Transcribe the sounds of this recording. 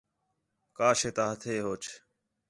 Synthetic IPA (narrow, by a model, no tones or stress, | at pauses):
kaːʃeːt̪aːɦət̪ʰeːɦoːt͡ʃʰ